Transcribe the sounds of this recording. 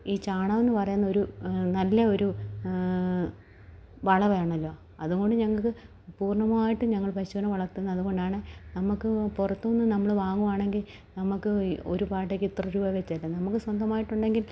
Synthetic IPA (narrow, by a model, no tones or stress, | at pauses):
iːt͡ɕaːɳɐʋenːɨpɐrɐjunːɐo̞ɾunɐlːɐo̞ɾu | ʋɐɭɐʋɐjaːɳɐlːo̞ː | ɐðuɣo̞ɳɖɨɲɐŋːɐɭkɨ | puːrɳɐmaːjiʈːɨɲɐŋːɐɭpɐɕunɐmʋɐɭɐrt̪ːunːɐðuɣo̞ɳɖaːɳɨnɐmukːɨpurɐt̪ːonːɨnɐmːɐɭʋaːŋːuʋaːɳe̞ŋɡil | nɐmːukːɨo̞̰ɾupaːʈ̬ːeːkːɨt̪ːrɐɾuːbɐʋet͡ɕːɐlːɐnɐmukːɨswɐnd̪ɐmaːjiʈːuɳɖe̞ŋɡil